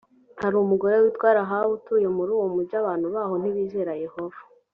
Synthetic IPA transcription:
haɾumuɡo̞ɾewitwaːɾaɦaβutujomuɾuːwomuɾɟaβaːn̥huβaːho̞n̥iβiːzeɾaje̞ho̞vḁ

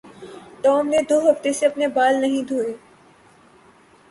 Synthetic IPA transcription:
ʈɔːmned̪oːɦəft̪eseɐpnebaːlnɐɦĩd̪ʱoːeː

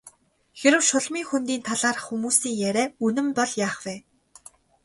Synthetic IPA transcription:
xeɾɘ̆wʃʊɮmiːŋxunt̪iːnt̪ʰaɮaːrxumuːsiːŋjæɾʲæːunɘ̆mpɔɮjaːχwæː

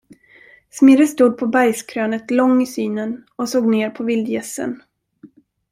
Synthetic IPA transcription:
smɪɾəst̪uːd̪̚pʰɔbajskʰɾøːnət̪lɔŋːɪsyːnənɔsoːɡneːɾpʰɔvɪld̪jɛsːə̰n

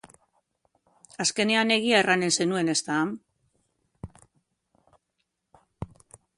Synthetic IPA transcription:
aske̞ne̞ane̞ɣ̞iaerane̞nse̞nue̞ne̞st̪aːm

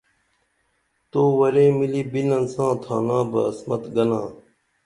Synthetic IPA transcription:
t̪oːwɐɾẽːmiliːbinɐnsãːt̪ʰa̰ːnãːbɐ̰ːsmɐt̪ɡɐnãː

